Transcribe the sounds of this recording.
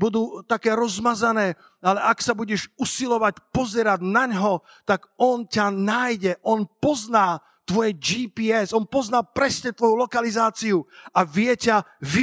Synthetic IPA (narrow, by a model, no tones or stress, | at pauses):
bud̪uːt̪akɛːɾɔzmazanɛː | alɛʔaksabuɟɛʃusilɔʋacpɔzɛɾaɟnaɲɦɔ | t̪aɡɔncanajɟɛʔɔnpɔznaː | t̪ʋɔjɛd͡ʒiːpiɛzɔnpɔznalpɾɛsɲɛt̪ʋɔjulɔkalizaːt͡siuaʋɪɛcaʋi